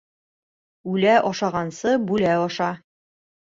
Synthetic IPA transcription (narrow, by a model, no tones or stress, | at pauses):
ʉlæʔɒʃɑʁɑnsɤbʉlæɒʃɑ